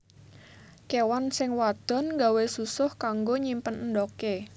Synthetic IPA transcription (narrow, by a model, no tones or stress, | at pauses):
kewansɪŋwad̪̥ɔ̤nŋɡa̤wesusʊhkaŋɡoɲimpənəndɔke